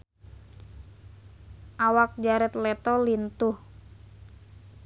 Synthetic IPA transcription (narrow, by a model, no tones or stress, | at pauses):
ʔawak̚d͡ʒaɾɛt̪lɛt̪ɔlint̪uh